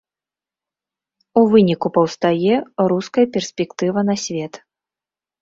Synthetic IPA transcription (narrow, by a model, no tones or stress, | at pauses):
uvɨnʲikupɐwst̪ajɛɾuskɐjɐpʲɛrsʲpʲɛkt̪ɨvɐnɐsʲvʲɛt̪